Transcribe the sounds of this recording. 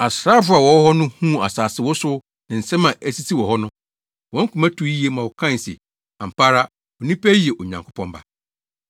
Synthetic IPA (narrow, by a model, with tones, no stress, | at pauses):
a˨sɾa˦fʊ˦a˨wɔ˨˦hɔ˦nʊ̃˦hũ˦˨a̰˨saː˨sɪ˦wɔ˦sʊ˦ | nã˨n̩˨sɛ̃˦mã˨ʔæ˦si˦tʰi˦wɔ˨hɔ˦nʊ̃˦ | wɔ̃˨˦ŋ̩˦kʰũ˨mã˦tʰu˦i˦e˦mã˨wɔ˨kʰã˦n˨sɛ̰˨ | ã˨m̩˨pʰa˦ɾa˦ | ɔ˨nĩ˦pʰæ˦ji˨ɛ˨ʔo˨ɲã˨ŋkʰʊ˦pʰɔ̃˦mba̰˨